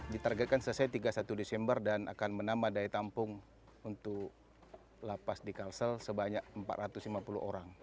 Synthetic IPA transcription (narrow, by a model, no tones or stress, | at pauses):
dit̪arɡɛt̪̚kansələsajt̪iɡasat̪udesɛmbərdana̰kanmənamadait̪ampʊŋ | unt̪ʊk | lapasdikalsəlsəbaɲak̚əmpat̪̚ɾat̪uslimapulṵʔoɾaŋ